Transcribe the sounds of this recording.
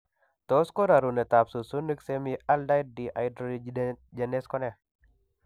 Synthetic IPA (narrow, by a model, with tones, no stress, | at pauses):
t̪o˦sko˦ɾa˨ɾu˨nɛ˨t̪a˨psu˨su˦ni˦kse˦mia˦lda˦jt̚diʔajdɾod͡ʒe˨ne˦skɔ˦nɛ˨